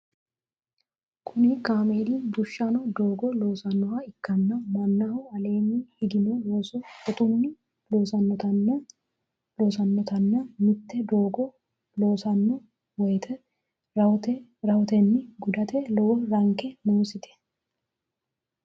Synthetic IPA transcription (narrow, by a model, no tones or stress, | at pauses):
kʰʊnɪkaːmeːd̪ibʊʃːɐnɔd̪oːɡɔloːsɐnːɔwɐɪkːɐnːɐmɐnːɐhʊɐle̞ːnːɪhɪɡɪnɔloːsɔt̪ʊnːɪ | loːsɐnːɔt̪ɐnɐ | loːsɐnːɔt̪ɐnːɐmɪt̪ːɛd̪oːɡɔ | loːsɐnːɔ | wɔjt̪ʰɛ | t̪ɛɾɐɔt̪ɛnːɪɡʊd̪ɐt̪ɛlɔwɔɾɐŋkɛmuːsɪt̪ʰɛ̥